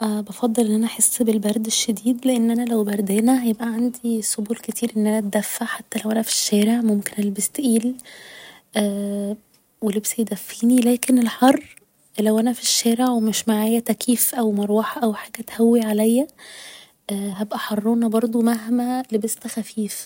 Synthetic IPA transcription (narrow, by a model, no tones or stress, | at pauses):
ʔæːbɑfɑd̪ˤːɑlʔenːʔænæʔħesːbelbæɾˤd̪eʃːed̪iːd̪leʔenːʔænælæwbæɾˤd̪enæhæjebʔæʕand̪isobuːlket̪ʰiːɾʔenːʔænæt̪̚d̪æfːaʕħat̪ːælæwʔænæfi̥ʃːæːɾeʕmomkenelebest̪ʔiːl | ʔæː | welebsijd̪æfːiːnilæːkenelħɑrˤː | læwʔænæfiʃːæːɾeʕwemeʃmaʕaːjæt̪ækʰiːfʔæwmɑɾˤuwɑħʔæwħaːɡæt̪hæwːiʕalæjːæ | ʔːɦæbʔæħɑrˤːoːnɑbɑɾˤd̪ˤumæɦmælebest̪æxæfiːf